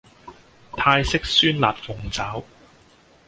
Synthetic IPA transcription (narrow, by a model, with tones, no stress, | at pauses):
t̪ʰaː˧jsɪ˥k̚syː˥nlaː˨˩t̚fʊ˨ŋt͡saː˨˥w